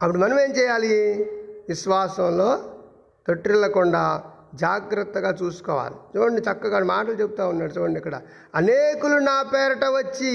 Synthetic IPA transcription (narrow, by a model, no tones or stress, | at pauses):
ɐpːuɽimɐnɐmeːmt͡ʃɛːjaːli | ʋiʃʋaːsɐmlo̞ː | t̪oʈːɾilɐkuɳɖaː | d͡ʒaːɡɾɐt̪ːɐɡaːt͡ʃuːsu̥kɔ̰ːʋa̰ːlit͡ʃuːbɐɳɖit͡ʃɐkːɐɡaːmaːʈɐlut͡ʃebut̪aːunːaːɽut͡ʃuːɐɳɖiɐkːɐɽɐ̰ | ɐneːkulunaːpɛːɾɐʈɐʋɐt͡ʃːi